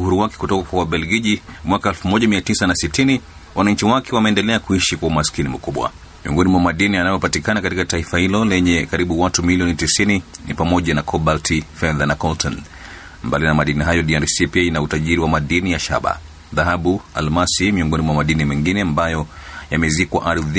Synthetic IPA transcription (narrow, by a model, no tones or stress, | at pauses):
uɦuɾuwakɛ̥kutɔkakwawaɓɛlɡiʄimwakaɛlfumɔʄamiatisanasitini | wanaɲ̩t͡ʃiwakɛwamɛːndɛlɛakuiʃikwaumaskinim̩kuɓwa̰ | miɔŋɡɔnimuwamaɗinianajɔpatikanakatikataifahilɔlɛɲɛkaɾiɓuwatumiliɔnitisininḭpamɔʄanakʰɔɓaltʰifɛðanakɔltɔn | mbalinamaɗiniɦajɔɗiaɾsipiainautaʄiɾiwamaɗinijaʃa̰ɓa̰ | ðaɦaɓua̰lmasimiɔŋɡɔnimwamaɗinimɛŋɡinɛambajɔjamɛzikwa̰ʔaɾð